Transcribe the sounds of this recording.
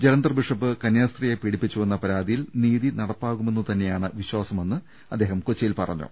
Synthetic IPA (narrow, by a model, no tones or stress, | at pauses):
d͡ʑelɐnd̪rbiʂɐʋɨkɐnjaːst̪rijepiɽipːit͡ɕːuʋenːɐpɐɾaːd̪ijilniːðinɐɽɐpːaːɣume̞nːut̪ɐnːe̞jaːɳɨʋiɕwaːsɐme̞nːɨ | ɐd̪ːe̞ːɦɐmkot͡ɕːɐjilpɐrɐ̰ɲːṵ